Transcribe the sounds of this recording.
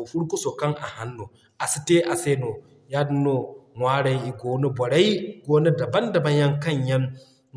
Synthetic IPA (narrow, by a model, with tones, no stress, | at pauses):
ɸʊ˦ɽku˦so˨kɐ˦ŋʔa̰˨ha˦nːu˨ | ʔa˨si˦te˦ʔa˨seː˦no˨ | ja˦no˨ŋʷaː˦ɽa˨jʔi˨ɡoː˦ne˦bɔ˨ɽa˦jɡoː˦ne˦dɐ˨bɐ˦ndɐ˨bɐ˦ɲjɐ˦ŋkɐ˦˨ɲjɐ˦ŋ